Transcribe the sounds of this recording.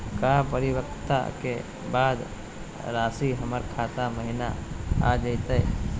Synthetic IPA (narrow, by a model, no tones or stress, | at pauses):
kaːp̬əɾɪwəɾt̪a̰ke | baːd̪ | ɾaːsiɦəməɾkʰaːt̪aməɦɪnaa̰d͡ʒət̪ə